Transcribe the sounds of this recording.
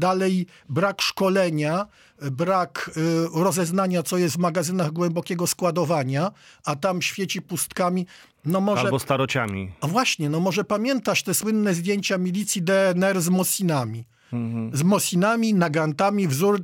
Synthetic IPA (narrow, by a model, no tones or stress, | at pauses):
d̪alɛj | bɾakʂkɔlɛɲa | bɾakɾɔzɛznaɲat̪sɔjɛst̪vmaɡazɘnaɣɡwɛmbɔkʲɛɡɔskwad̪ɔvaɲaat̪amɕfʲjet͡ɕipust̪kamʲi | nɔmɔʐalɛbɔst̪aɾɔt͡ɕa̰mʲḭɔvwaɕɲɛnɔmɔʐɛpamʲjɛnt̪aʂt̪ɛswɘnːɛzd̪ʲjeɲt͡ɕamʲilʲit̪sʲjid̪ɛɛnɛɾzmɔsʲinamʲi | zmɔsʲinamʲinaɡant̪amʲivzuɾ